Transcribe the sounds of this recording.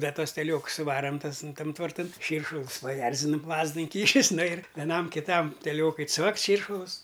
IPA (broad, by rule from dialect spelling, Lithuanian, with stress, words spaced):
ˈdɐ ˈtuɔs tʲɛˈlʲoːks sʊˈʋɑːrɐm ˈtɐs n ˈtɐm tʋɐrˈtɐn ˈʃʲiːrʃʊlˠʊs pɐˈjɛrʲzʲɪnʊm ˈlˠɑːzdʊ ɪŋʲˈkʲiːʃʲɪs ˈnʊ ɪr ʋʲɛˈnɐm kʲɪˈtɐm tʲɛˈlʲoːkʊɪ ˈt͡sʋɐktʲ ˈʃʲiːrʃʊlˠʊs